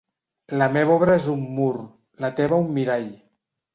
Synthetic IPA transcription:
ləmeβɔβɾəezumːur | lət̪ɛβəumːiɾaʎ

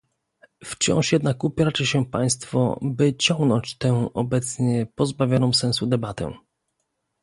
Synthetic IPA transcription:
ft͡ɕɔ̰̃w̃ʂjɛd̪nakupʲɾat͡ʂɛɕɛpaj̃st̪fɔ̰bɘt͡ɕɔ̃ŋɡnɔ̃ɲt͡ɕt̪ɛwɔbɛt̪sɲɛpɔzbavʲjɔnɔ̃w̃sɛ̃ñsud̪ɛbat̪ɛ̰̃

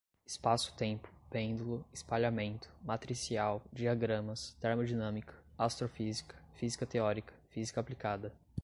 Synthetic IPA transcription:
ɪspasʊ̥t̪ẽpʊ̥pẽnd̪ulʊɪspaʎamẽnt̪ʰʊ̥mat̪ɾisiawd͡ʒiaɡɾɐ̃mɐst̪eɾmod͡ʒinɐ̃mikʰɐ̥ | ast̪ɾofizikʰɐ̥fizikɐt̪eɔɾikʰɐ̥fizikɐaplikad̪ɐ

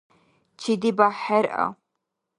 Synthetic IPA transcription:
t͡ʃʰid̪ibaħɛɾʔɐ̰

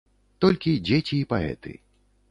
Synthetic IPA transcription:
t̪ɔlʲkʲid͡zʲet͡sʲiːpaɛ̰t̪ɨ̰

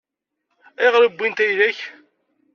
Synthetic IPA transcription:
iʁɾəbːint̪æjðæç

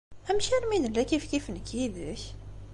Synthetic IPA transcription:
æmʃiɾminəlːækifkifənkid̪əç

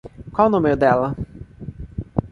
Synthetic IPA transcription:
kwawnõmeʊd̪ɛlɐ

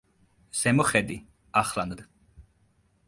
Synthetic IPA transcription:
z̥ɛmɔχɛd̪i | aχland̪

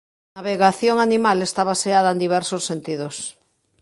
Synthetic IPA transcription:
naβeɣaθjoŋanimalest̪aβaseað̞ɐend̪iβ̞ɛɾsosːent̪ið̞os

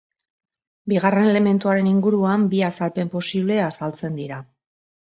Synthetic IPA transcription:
biɣare̞ne̞le̞me̞nt̪uaɾe̞niŋɡuɾuambiasalpe̞mpo̞siβ̞le̞asalt͡se̞nd̪iɾa

